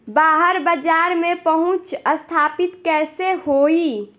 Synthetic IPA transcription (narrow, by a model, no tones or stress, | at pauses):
baːɦəɾbəd͡ʒaːɾmẽpəɦʊ̃t͡ʃəst̪ʰaːpɪt̪kɛːsehoːi